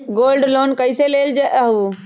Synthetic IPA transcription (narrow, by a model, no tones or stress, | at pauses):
ɡoːlɖloːnkəɪseleːld͡ʒeʔəɦu